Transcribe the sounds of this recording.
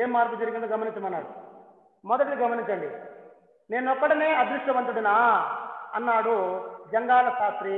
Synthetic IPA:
eːmːaːɾkud͡ʒɐɾiɡinɐd̪ɡɐmɐniɲt͡ʃɐmɐnːaːɽu | mɔd̪ɐʈɐʈiɡɐmɐniɲt͡ʃɐɳɖḭ | ne̞ːnɔkːɐʈɐne̞ːɐd̪ɾuʂʈ̪ɐʋɐnt̪uɽina | ɐnːaːɽud͡ʒɐŋɡaːlɐsaːt̪ɾi

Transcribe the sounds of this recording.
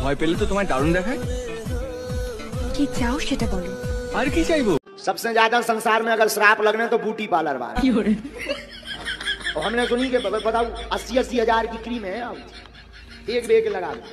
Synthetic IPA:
maːipeːlːet̪ot̪ʊm̤aːɾeɖaːɾund̪eːkʰa | ʈʰiːk̚t͡ʃaːuʃeʈɐkɔluɐɾkit͡ʃaːiboː | sɐbsed͡ʒjaːd̪asɐ̃nsaːɾmẽɐɡəɾsɾaːplɐɡnet̪obuːʈipaːləɾʋa̰ːnekioɾ | ɐɦɐmnesʊnĩkebɐɡəɾbɐt̪aːũɐsiɐsiɦɐd͡ʒaːɾkikɾimẽɦɛaː | eːkbeːkelɐɡaːd̪e

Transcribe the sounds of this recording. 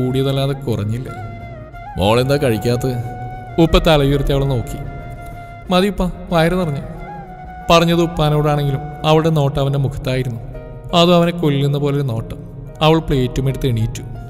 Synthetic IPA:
uːɽijɐðɐlːaːðekurɐɲːilːɐ̰ | mo̰ːɭe̞nd̪aːkɐɻikʲːaːt̪̬ːɨ | upːɐt̪ːɐlɐjurɐt̪ːiɐʋɐɭno̞ːkːi | mɐðijupːɐ | ʋɐjɾɐnɐrɐɲːɨ | pɐrɐɲːɐðɨupːaːnoːɽaːɳe̞ŋɡilumɐʋiɭɨɽe̞no̞ːʈːɐʋɐnde̞mukʰɐ̥t̪ːaːjiɾunːu | ɐðuɐʋɐne̞koɭːilːenːɐpo̞ːleɾuno̞ːʈːɐm | ɐʋɐɭpɭeːtːumiʈːɨt̪eɳijitːu̥

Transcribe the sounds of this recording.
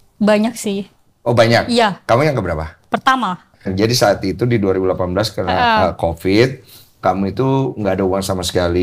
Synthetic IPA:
baɲak̚sɪh | ʔobaɲak̚ijaːamujaŋkəbəɾapapərt̪ama | nd͡ʒadisaːt̪it̪udiduaɾibulapanbəlaskaɾənaəkofɪt̪̚ | kamuit̪uŋɡaːdauwaŋsamasə̥kali

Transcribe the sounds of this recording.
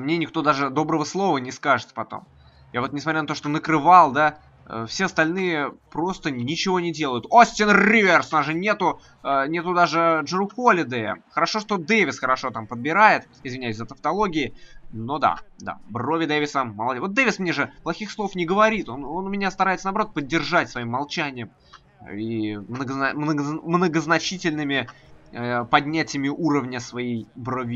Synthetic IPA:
mnʲenʲɪkt̪o̞d̪aʐɨd̪o̞bɾəvəslˠo̞vənʲɪskaʐɨt̪pɐt̪o̰m | javo̞t̪nʲɪsmɐtʲɾʲanɐt̪oʂt̪o̞nəkɾɨvalˠd̪a | ə̰fsʲe̞ɐst̪ɐlʲnɨjəpɾo̞st̪ənʲɪt͡ɕɪvo̞nʲɪdʲe̞lˠəjʊt̪osʲtʲɪnrʲivʲersnaʐɨnʲe̞t̪ʊ | ənʲe̞t̪ʊd̪aʐɨʐɨɾʊkolʲɪd̪ɛə̰xəɾɐʂo̞ʂt̪o̞d̪evʲɪsxəɾɐʂo̞t̪ampəd̪̚bʲɪɾajɪt̪ | ɪzvʲɪnʲæjʉsʲzət̪əft̪ɐlˠo̞ɡʲɪɪno̞d̪a̰d̪a̰bro̞vʲɪd̪evʲɪsəməlˠɐd̪vot̪̚d̪evʲɪsmnʲeʐɨplˠɐxʲixslˠo̞fnʲɪɡəvɐɾʲit̪o̞no̞nʊmʲɪnʲast̪ɐɾaɪt̪sənaːbɐɾo̞t̪̚pədʲːɪrʐatʲsvɐimːɐlˠt͡ɕænʲɪjəm | imnəɡəmnəɡmnəɡəznɐt͡ɕitʲɪlʲnɨmʲɪ | pɐdʲnʲætʲɪjəmʲɪʔuɾəvnʲəsvɐjejbrovʲ

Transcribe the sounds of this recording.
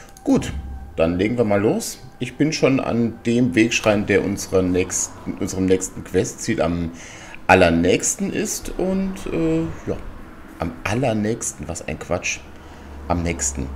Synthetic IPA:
ɡ̥uːtd̥anleːɡŋ̩viːɐmaːlːoːs | ʔɪçb̥ɪnʃoːna̰nd̥eːmveːkʃʁ̥aɪənd̥eːɐʔʊnzəʁənɛçstn̩ʔʊnzəʁəmnɛːkstn̩kʰv̥ɛstt͡siːla̰m | ʔalɐnɛːçstn̩ʔɪ̰stʰʔʊntʔɛːja̰ː | ʔamʔalɐnɛːçstn̩vaːɐsa̰ɪnkv̥at͡ʃ | ʔamnɛːçstn̩

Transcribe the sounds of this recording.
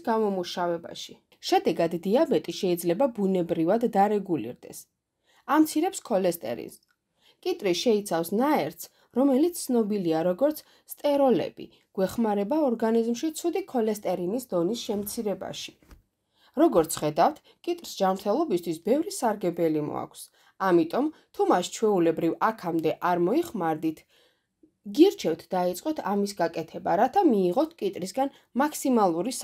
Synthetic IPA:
ɡamɔmuʃavɛba̰ʃi | ʃɛd̪ɛɡad̪ːiabɛt̪ʼiʃɛid̪zlɛbabunɛbɾivad̪ːaɾɛɡulḭɾd̪ɛ̰s | amt̪sʰiɾɛpskʰɔlɛst̪ʼɛ̰ɾḭns | kʼit̪ʼɾiʃɛit̪sʰafsnaɛɾt̪s | ɾɔmɛlit̪sʰnɔbiliaɾɔɡɔɾt̪sʰt̪ʼɛɾɔlɛ̰b̥ḭ | ɡ̥wɛχmaɾɛbaɔɾɡanizmʃit̪sʰud̪ikʰɔlɛst̪ʼɛɾinisd̪ɔnisʃɛmt̪sʰiɾɛba̰ʃi̥ | ɾɔɡɔɾt̪sʰχɛd̪aft̪ʰ | kʼit̪ʼɾisd͡ʒamɾt̪ʰɛlˠɔbist̪ʰwisbɛvɾisaɾɡɛbɛlimɔ̰a̰kʷʰs | amit̪ʼɔmt̪ʰumast͡ʃʰwɛulɛbɾivakʰamd̪ɛʔaɾmɔiχmaɾd̪it̪ʰ | ɡiɾt͡ʃʰɛft̪ʰd̪̥ait̪sʼqʼɔt̪ʰamisɡakʼɛt̪ʰɛba̰ɾat̪ʰamiːʁɔt̪ʰkʼit̪ʼɾisɡan | makʰsimalˠuɾis

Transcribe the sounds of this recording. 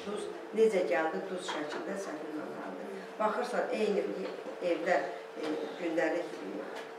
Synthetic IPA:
d̪uz | ned͡ʒæɟæld̪id̪uzʃæcʰild̪æsænilɑ̰nɑ̰lˠd̪ɯ | bɑxɯɾsɑnʔejnievlæɾ | ɟynd̪æɾliçlḭjḭ

